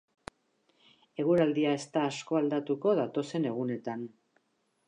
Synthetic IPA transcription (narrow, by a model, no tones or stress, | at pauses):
e̞ɣ̞uɾald̪iae̞st̪aːsko̞ald̪at̪uko̞ðat̪o̞se̞ne̞ɣ̞une̞t̪an